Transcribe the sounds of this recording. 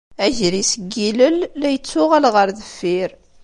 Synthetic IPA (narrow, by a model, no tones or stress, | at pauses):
æʝɾisəɡːiləlːæjət͡sːʊʁælʁəɾðəfːiɾ